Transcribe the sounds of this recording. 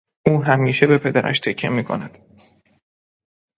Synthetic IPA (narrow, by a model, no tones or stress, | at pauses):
ʔuːɦæmiːʃebe̞pʰe̞d̪æɾʔæ̰ʃt̪ʰecʰːemiːkʰo̞̰næd̪̥